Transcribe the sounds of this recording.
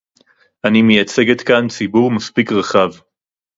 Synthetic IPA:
ʔanimejat͡seɡet̪kant͡sibuʁmaspikʁaχav

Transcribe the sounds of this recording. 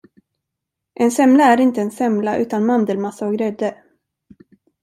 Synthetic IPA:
ʔɛnsɛmlaæɾɪnt̪əɛnsɛmlaʔʉ̟ːt̪anmand̪əlmasaɔɡɾɛd̪ːə

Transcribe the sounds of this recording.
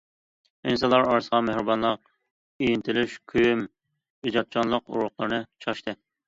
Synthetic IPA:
insɑnlˠɑɾɑɾsəʁɑmehɾɨbɑnlˠəq̚ | ijint̪ʰɪlyʃkʲʰyjym | id͡ʒɑt̪̚t͡ʃʰɑnlˠəqṵɾʊχlˠəɾnɨt͡ʃʰɑʃt̪ʰɨ

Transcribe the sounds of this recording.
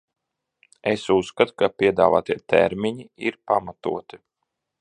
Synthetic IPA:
esusːkat̪u̥kapʲiɛd̪a̰ːva̰ːt̪iɛt̪ɛ̰ɾmʲiɲiiɾpamat̪ṵɔt̪i̥

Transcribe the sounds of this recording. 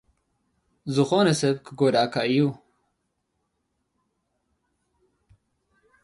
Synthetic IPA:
zuxonesebkəɡoɾaːkaju

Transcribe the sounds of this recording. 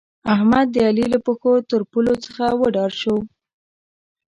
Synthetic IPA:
ahmad̪ːəalilapəxot̪əɾpulot͡səxawəɖɑɽʃow

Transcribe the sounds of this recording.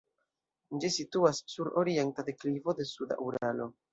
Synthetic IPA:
d͡ʒisituasːuɾo̞ɾientate̞klivo̞de̞suda̰ʔuɾalo̞

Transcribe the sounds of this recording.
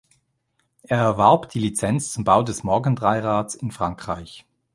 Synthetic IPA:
ʔeːɐɛɐvaɐpd̥iːlit͡sɛnt͡st͡sʊmbaʊdɛsmɔɐɡən̩dʁaɪʁaːt͡sɪnfʁ̥aŋkʁ̥a̰ɪç

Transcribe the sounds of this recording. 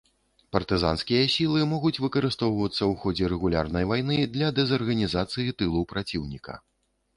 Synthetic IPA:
pɐrt̪ɨza̰nskʲijɐsʲilˠɨmɔɣut͡sʲvɨkɐɾɨst̪ɔwvɐt̪sːɐwxɔd͡zʲɛɾɛɣulʲa̰rnɐjvajnɨd̪lʲɐd̪ɛzɐrɣɐnʲizat̪sɨjit̪ɨlˠupɾat͡sʲiwnʲikɐ̰

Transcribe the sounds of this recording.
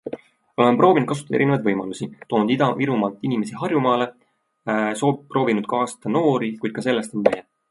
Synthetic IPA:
o̞lempro̞ːvind̪̥̚kɑs̬ut̪ɑd̪̥eɾinevɑjd̪vɤjmɑlusit̪o̞ːnud̪ɑviɾumɑlt̪ːˑinime̞siɦɑrjumɑːle̞ | sopro̞ːvinud̪̥̚kɑːst̪ɑno̞ːɾikujd̪̥kɑse̞lːest̪o̞nvæjɑ

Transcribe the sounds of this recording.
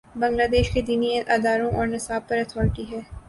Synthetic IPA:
bɐ̃ŋɡlaːd̪eːʃked̪iːniẽʔaːd̪aːɾõʔɔːɾnɪsaːb̚pɐɾɐt̪ʰɔːɾʈiɦɛː

